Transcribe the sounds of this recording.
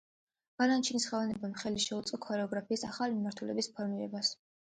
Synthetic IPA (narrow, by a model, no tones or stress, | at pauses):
b̥alant͡ʃʰinisχɛvanɛbamχɛliʃɛut̪sʼɔkʰɔɾɛɔɡɾapʰiːsaχalimimaɾt̪ʰulɛbispʰɔɾmiɾɛbas